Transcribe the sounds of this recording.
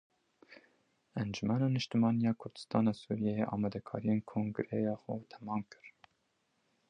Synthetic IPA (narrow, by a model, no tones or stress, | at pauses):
ɛnd͡ʒumæːnɑːnɨʃt̪ɨmɑːnijɑːkʰʊɾd̪ɨ̥st̪ɑ̰ːnɑːsuːɾijejeʔɑ̰ːmɛd̪ɛkʰɑ̰ːɾijeːnkʰoŋɡɨɾɛjɑːxut̪ʰɛ̥mɑːmkɨ̥ɾ